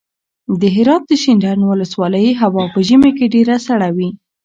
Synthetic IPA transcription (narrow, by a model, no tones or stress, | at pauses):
d̪əɦɪɾɑt̪̚d̪əʃindanwʊləswɑləjɦawɑpəʒəmekeɖeɾasaɽawi